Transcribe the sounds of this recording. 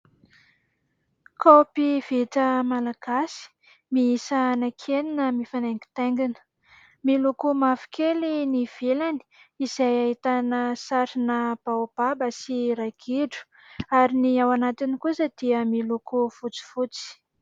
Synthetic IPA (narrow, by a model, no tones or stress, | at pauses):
kʰopiv̥et̪əmalaɡ̥asi̥ | miisaːnakʰeninəmifaneŋɡi̥t̪eŋɡinə̥ | milukumafi̥kʰeliniv̥elani̥ | izajaɦit̪anəsaɾinəb̥awb̥abasiɾaɡ̥ʰiɖ͡ʐu̥ | aɾiniawanat̪inikusəd̪̥iəmilukufut͡si̥fut͡si̥